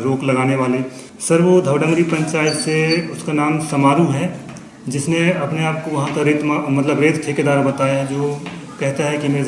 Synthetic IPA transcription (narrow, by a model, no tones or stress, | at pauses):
ɾoːklɐɡaːneʋaːlẽ | sɐɾʋod̪ʱɐʋɖə̃ŋɡɾipɐ̃ɲt͡ʃaːjɪt̪seʊskanaːmsɐmaːɾuɦɛ | d͡ʒɪsneɐpneaːp̚koʋɐɦãk̪ɐɾeːt̪mamɐt̪ləbɾeːt̪ʈʰeːked̪aːɾbɐt̪aːjaɦɛd͡ʒoː | kɛɦt̪aɦɛkime